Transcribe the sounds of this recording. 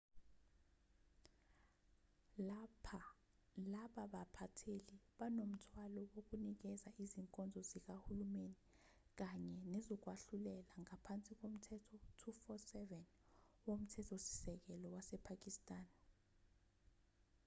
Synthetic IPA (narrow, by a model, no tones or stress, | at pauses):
lapʰa | laɓaɓapʰatʰeliɓanom̩tʰwalɔwok̬unik̬ɛzaʔiziŋkʼɔnd͡zʱɔzik̬ahulumeni | k̬aɲɛnɛzɔk̬waɬulɛlaŋapʰant͡sʼik̬om̩tʰɛtʰɔtʰufɔsɛvɛn | wom̩tʰɛtʰɔsi̥sɛk̬ɛlɔwasɛpʰak̬ʼistʼaːn